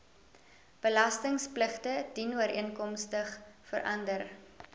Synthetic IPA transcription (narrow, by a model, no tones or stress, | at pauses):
b̥əlɐstəŋspləχtəd̥inuəɾʔḭənkɔmstəχfə̰ɾʔɐndər